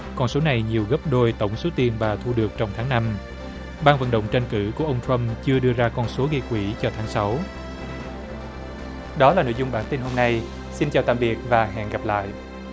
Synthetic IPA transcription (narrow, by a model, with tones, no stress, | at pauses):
kɔ˧nso˨˦na˨˩jɲi˨˩əwɣə˦˥p̚ɗo˧jt̪ə˧˩wŋ͡mso˨˦t̪i˨˩ənvaː˨˩t̪ʰu˧ɗɨ˨˩ək̚t͡ɕɔ˧wŋ͡mt̪ʰaː˨˦ŋna˧m | ɓaː˧nvə̰˧˨nɗə̰˧˨wŋ͡mt͡ɕa˧nkɨ̰˧˩ku˧˩əʔə˧wŋ͡mt̪ʰɹə˧mt͡ɕɨ˧əɗɨ˧əzaː˧kɔ˧nso˨˦ɣi˧kwi˧˩t͡ɕɔ˧t̪ʰaː˨˦ŋsa˨˦w | ɗɔ˨˦laː˨˩no̰˧˨jzʊ˧ŋ͡mɓaː˧˩nt̪i˧nho˧mna˧j | si˧nt͡ɕaː˨˩wt̪a̰ː˧˨mɓi˨˩ət̚vaː˨˩ɦɛ̰˧˨ŋɣa˨˩p̚la̰ː˧˨jʔ